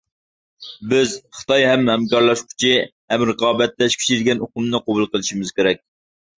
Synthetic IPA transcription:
bɪzχɨ̥t̪ʰɑjɦɛmhɛmkɑɾlˠɑʃkʲʰʊ̥t͡ʃʰihɛmɾəqɑːbɛt̪ːɛʃkʲʰy̥t͡ʃʰiɾɡʲɛnoqʊmnɨqobulˠqəlˠɨʃimɪzkʲeɾɛk̚ʲ

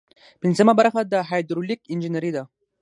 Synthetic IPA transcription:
pinzəmabaɾxad̪əɦajd̪ɾulikɪnd͡ʒinaɾid̪a

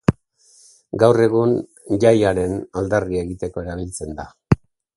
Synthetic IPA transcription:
ɡawre̞ɣ̞un | ʎajaɾe̞nald̪arie̞ɣit̪e̞ko̞e̞ɾaβ̞ilt͡se̞nd̪a

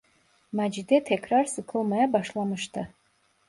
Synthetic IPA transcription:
mad͡ʒid̪etʰekʰrarsɨkʰɨlmajabaʂlamɨʃt̪ʰa

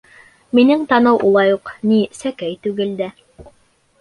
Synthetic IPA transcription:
minɘŋt̪ɑnɤwʔulˠɑjuqnisækæjt̪ʉɡɘld̪æ

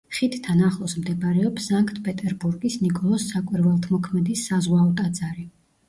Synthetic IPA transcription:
χit̪ʰt̪ʰːanaχlˠɔsmd̪ɛbaɾɛɔpsaŋkʼt̪ʰpʼɛt̪ʼɛɾbuɾɡisnikʼɔlˠɔsːakʼiɾvɛlˠt̪ʰmɔkʰmɛd̪isːazʁwaɔt̪ʼad̪zaɾi

